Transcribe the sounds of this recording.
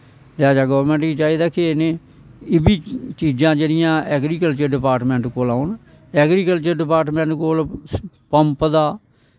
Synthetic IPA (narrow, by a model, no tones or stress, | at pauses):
d̪aːd͡ʒaːɡəʋəɾmɛ̃ːɳʈɡiːt͡ʃaːiːd̪aːkenẽː | ɪbiːt͡ʃiːd͡ʒãːd͡ʒeːɽɪjãːʔɛːɡɾiːkəlt͡ʃəɾɖɪpaːɾʈmɛ̃ːɳʈkoːlaːʊn | ɛːɡɾiːkəlt͡ʃəɾɖɪpaːʈmɛ̃ːɳʈkoːl | pəmpd̪aː